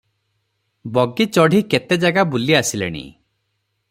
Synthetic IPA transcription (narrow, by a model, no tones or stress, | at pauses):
bɔɡit͡ʃɔɽ̤ʱiket̪ed͡ʒaɡabuliasilḛɽ̃ḭ